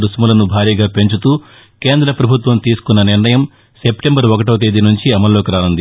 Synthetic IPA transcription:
ɾusmulɐnubʱaːɾiːɡaːpe̞ɲt͡ʃut̪uː | ke̞ːnd̪ɾɐpɾɐbʱut̪ʋɐmt̪iːsu̥kunːɐniɾɳnɐjɐm | se̞pʈembɐɾɔkɐʈ̬oːt̪̬eːd̪inuɲt͡ʃiɐmɐlːo̞ːkiɾaːnund̪i

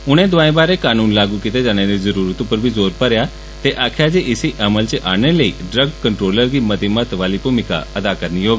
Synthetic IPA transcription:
ʊɽ̃ẽd̪ʊʋaːẽbaːɾekaːnuːnlaːɡukɪt̪ed͡ʒaːñẽd̪izɐɾuːɾət̪ũpəɾbʱizoːɾpɐɾja | t̪eʔaːkʰjad͡ʒeʔɪsiʔɐməlt͡ʃeʔaːɽ̃eləiːɖɾəɡkəɳʈɾoːləɾɡimɐt̪imət̪ʋaːlipuːmɪka̰ɐd̪akɐɾniɦoːɡ

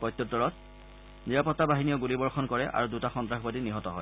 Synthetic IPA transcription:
pɔjtːjɔtːɔɹɔt̚ | niɹapɔtːabaɦinijɔɡulibɔɹxɔnkɔɹɛʔa̰ɹudutaxɔntɹaxbadiniɦɔtɔɦɔj

